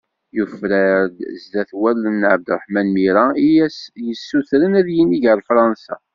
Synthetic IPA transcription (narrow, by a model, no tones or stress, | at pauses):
jufɾæd̪zd̪æθwælːənːʕəb̚d̪ɾˤħmænmiɾæ | jəsːuθɾənæðjinːiʝəɾfɾˤɑnsæ̰